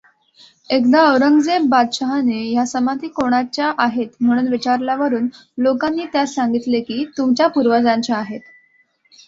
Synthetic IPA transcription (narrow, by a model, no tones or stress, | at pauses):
ekd̪aəwɾəŋɡd͡zebad̪ɕəɦanejasəmad̪ʱiːkoɽ̃at͡ɕjaʔaɦet̪m̤əɽ̃uːnʋit͡ɕaɾljaʋəɾuːn | lokanːiːt̪jasaŋɡit̪lekiːt̪umt͡ɕjapuɾʋəd͡zaɲt͡ɕaːɦet̪